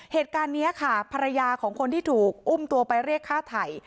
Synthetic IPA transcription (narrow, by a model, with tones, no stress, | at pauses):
heː˨˩t̪̚kaː˧nːi˦˥ɐkʰa˥˩pʰa˧ɾa˧jaː˧kʰɔː˩˦ŋkʰo˧nt̪ʰiː˥˩t̪ʰuː˨˩k̚ʔu˥˩mt̪u˧ɐpa˧jɾiː˥˩əkʰːaː˥˩t̪ʰaː˨˩j